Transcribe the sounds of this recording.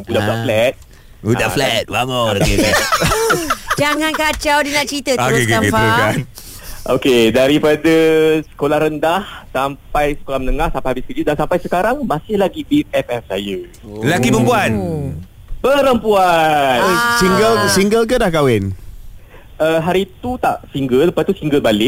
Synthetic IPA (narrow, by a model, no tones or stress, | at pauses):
budaudaflɛt̪̚ | udaflɛt̪̚baŋolokɛt̪̚ | d͡ʒaŋankat͡ʃawdinaʔt͡ʃit̪ət̪okekamkifəkan | ʔo̰kedaɾipadəsə̥kolahɾəndahsampajsə̥kolamənəŋahsampajhabɪskəd͡ʒʊt̚dansampajsəkaɾaŋmasɪhlaɡibitɛfɛfsa̰jə | lakiməmbuan | pəɾəmpuansiŋɡəlsiŋɡəlk̬ədahkawɛn | ʔəɦaɾiːt̪ut̪a̰ʔsiŋɡəlːəpast̪usiŋɡəlbalɪʔ̚